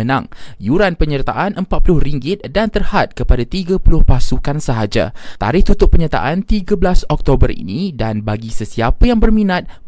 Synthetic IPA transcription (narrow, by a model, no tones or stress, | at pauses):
ənã̰ŋjuɾanpəɲərt̪a̰ʔanʔəmpat̪̚pulʊhriŋɡɪt̪̚dant̪ərhat̪̚kəpadat̪iɡapulʊhpasukansəɦad͡ʒa̰t̪a̰ɾɪht̪ut̪ʊʔ̚pːəɲat̪a̰ʔant̪iɡablasɔk̚t̪obərḭnĩdanbaɡisəsiapəjaŋbərmĩnat̪̚